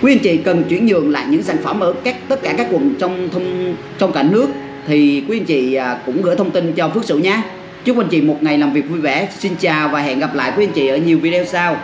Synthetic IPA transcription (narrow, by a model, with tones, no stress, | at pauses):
kwʔə˧nt͡ɕḭ˧˨kə˨˩nt͡ɕwi˧˩ənɲɨ̰˧˨əŋla̰ː˧˨jɲɨ̰˧˥ŋzaː˧˩ŋfə˧˩mʔəː˧˦ka˦˥k̚t̪ə˦˥t̚kaː˧˩kaː˦˥kːwə˨˩nt͡ɕɔ˧wŋ͡mt̪ʰə˧wŋ͡m | t͡ɕɔ˧wŋ͡mka˧˩ŋnɨ˦˥ək̚ | t̪ʰi˨˩kwʔə˧nt͡ɕḭː˧˨˩kʊ̰˧˥ŋ͡mɣɨ̰˧˥t̪ʰə˧wŋ͡mt̪i˧nt͡ɕɔ˧fɨ˦˥ək̚sɨ̰˧˨ɲaː˧ | t͡ɕɨ˦˥kwʔnt͡ɕḭ˧˨mo˨˩t̚ŋa˨˩jlaː˨˩mvi˨˩ək̚vu˧jvɛ˧˩si˧nt͡ɕaː˨˩wvaː˨˩ɦɛ̰˧˨nɣa˨˩p̚la̰ː˧˨jkwʔə˧nt͡ɕḭ˧˨ʔəː˧˩˦ɲi˨˩wvi˧ɗo˧wsaː˧w